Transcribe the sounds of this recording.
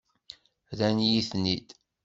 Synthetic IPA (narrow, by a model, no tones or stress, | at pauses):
ðænjiθnid̪